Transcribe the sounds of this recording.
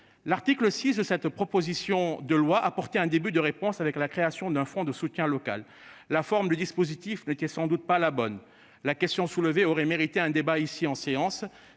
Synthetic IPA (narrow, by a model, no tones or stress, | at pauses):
laʁt̪ikləsisd̪əsɛt̪pχɔpozisjɔ̃d̪əlwaʔapɔʁt̪eɛ̃d̪ebyd̪əʁepɔ̃savɛklakχeasjɔ̃d̪ɛ̃fɔ̃d̪əsut̪jɛ̃lɔka̰lː | afɔʁmd̪əd̪ispozit̪ifnet̪ɛsɑ̃d̪ut̪̚palabɔn | lakɛst̪jɔ̃sulveoʁɛmeʁit̪eɛ̃d̪ebaisiɑ̃seɑ̃s